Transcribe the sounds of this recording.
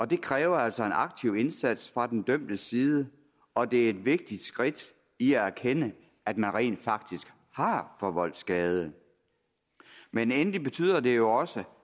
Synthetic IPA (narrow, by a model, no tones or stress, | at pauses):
ɒ̽d̥e̝kʰʁɛːʊɐæl̰sɒ̽e̝nɑ̈ɡ̥̚t͡sʰiʊe̝nsæd̥sfʁɑ̈d̥end̥œm̰d̥əsiːðˠə | ɒ̽d̥e̝æɐe̝d̥ʋe̝ɡ̥̚d̥id̥sɡ̥ʁid̥ | iææɐkʰenə | æd̥mænʁɛ̰ːnd̥fɑ̈ɡ̥̚d̥isɡ̥ | hɑ̈fɒ̽ʋɒ̽l̰d̥sɡ̥ɛːð̞ˠə | menenlib̥e̝t͡sʰy̰ːð̰ˠɐd̥e̝jo̝ɒ̽sə